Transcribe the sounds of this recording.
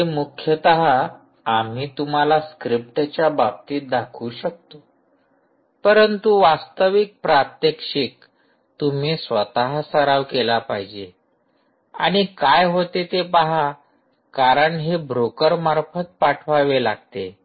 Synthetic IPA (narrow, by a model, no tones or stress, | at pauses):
emukʰjət̪əɦa | am̤iːt̪um̤alaskɾip̚ʈt͡ɕjabab̚t̪iːd̪akʰuːɕək̚t̪o | pəɾənt̪uʋast̪əʋik̚pɾat̪jəkʂik̚ | t̪um̤iːsʋət̪aɦasəɾaʋkelapaɦid͡ʑe | a̰ɽ̃ikajɦot̪et̪epaɦa | kaɾəɳɦebɾokəɾmaɾfət̪̚paʈʰʋaʋelaɡ̚t̪e